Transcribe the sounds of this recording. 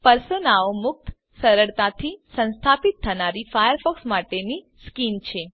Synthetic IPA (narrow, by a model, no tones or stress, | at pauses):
pəɾsonaomʊk̚t̪ | səɾəɭt̪at̪ʰisə̃ñst̪ʰapit̪ʰːənaɾifajəɾfɔksmaʈeni | skint͡ʃʰe